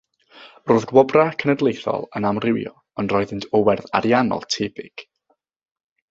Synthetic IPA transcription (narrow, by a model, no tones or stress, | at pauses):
rʊːðɡwɔbrakʰənədlˠejθɔ̰lˠənamrɪwjɔ̰ | ənrɔːɨðɪntʰɔwɛrða̰ɾjanɔ̰lˠtʰebɪɡ̥